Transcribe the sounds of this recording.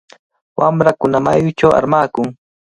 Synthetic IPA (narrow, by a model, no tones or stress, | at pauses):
wʔamɾakʊnamajʊt͡ʃawa̰ɾmaːkʊŋ